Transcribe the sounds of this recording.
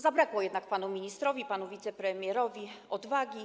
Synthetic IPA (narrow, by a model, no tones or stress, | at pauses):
zabɾakwɔjɛd̪nakpanumʲiɲist̪ɾɔvʲipanuvʲit̪sɛpɾɛmʲjɛɾɔvʲiɔd̪vaɡʲi